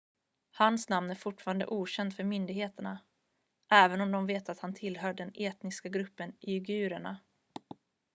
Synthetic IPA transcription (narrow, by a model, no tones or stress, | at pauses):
hansnamnæɾfʊʈːfɑːɾand̪ə̰ʔuːɕɛnd̪fœɾmʏnd̪ɪɡheːt̪əɳa | ʔɛːvənɔmd̪ɔmveːt̪at̪hant̪ʰɪlːɦœːɖɛneːt̪nɪskaɡɾɵpːənɪʏɡʉ̟ːɾəɳa̰